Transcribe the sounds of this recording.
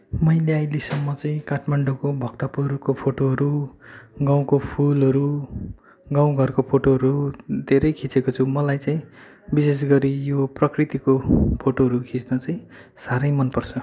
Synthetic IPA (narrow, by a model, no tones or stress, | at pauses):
mʌjleajlesʌmːʌt͡saĩkaʈʰmaɳɖokobʱʌkt̪apuɾkopʰoʈoɦʌɾu | ɡaw̃kopʰulɦʌɾu | ɡaw̃ɡʱʌrkopʰoʈoɦʌɾud̪ʱeɾʌjkʰit͡sekot͡sʰumʌlajt͡saĩ | bises̬ɡʌɾijoprʌkrit̪ikopʰoʈoɦʌɾukʰit͡snʌt͡saĩ | saɾʌjmʌnpʌrt͡sʰʌ